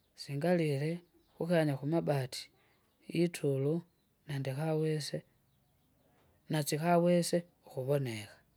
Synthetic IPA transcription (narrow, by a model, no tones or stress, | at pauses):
siːŋɡalile̞ | xuxaɲaxumabatʰi̥ | itʰulu | neːndixawese | nat͡sixawese̞ | uxuβo̞ne̞xḁ